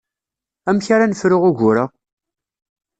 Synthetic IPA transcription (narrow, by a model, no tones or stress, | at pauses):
æmçaɾanəfɾʊʁʊʝʊɾa